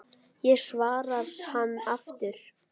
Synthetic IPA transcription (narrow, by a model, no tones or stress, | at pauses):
jɛɣsvaːɾað̥hanːaft̪ʏɾ̥